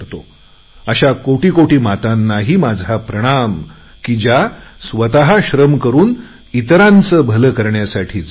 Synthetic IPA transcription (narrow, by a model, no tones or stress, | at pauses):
ɾt̪o | əɕakoʈiːkoʈiːmat̪anːaɦiːmad͡zʱapɾəɽ̃am | kid͡ʑjasʋət̪aɦaɕɾəmkəɾuːn | it̪ɾãnt͡səːbʱələkəɾɳjasaʈʰiːt͡s